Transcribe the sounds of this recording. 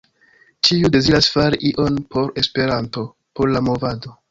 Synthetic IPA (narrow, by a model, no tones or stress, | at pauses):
t͡ʃiude̞ziɾasfaɾiʔiʔo̞npʰo̞ɾe̞spe̞ɾanto̞ | po̞ɾlamo̞vado̞